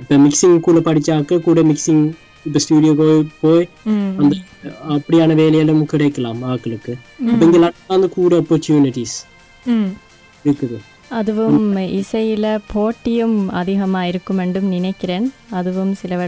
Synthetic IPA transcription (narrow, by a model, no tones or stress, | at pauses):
ipːɐmiksiŋɡkuːɭɐpɐʈʰit͡ɕːaːkːɨkuːɽemiksiŋɡ | ipːɐstuːɖijoːpoːjpo̞ːj | ɐnd̪ɐɐpːɐɽijaːɳɨʋe̞ːlɐjaːlumkiɽɐkːɐɭaːmaːkːɐlukːɨɐpoːeŋɡilɐɳaːnːɨkuːɽeopːortjuːniʈːis | ukːɐðɨ | ɐðuʋumisɐjilepʰo̞ːʈːijumɐ̰d̪iːɦɐmaːjiɾikːume̞ɳɖumninekʲːɐɾeːnɐðuʋumsilɐʋɐ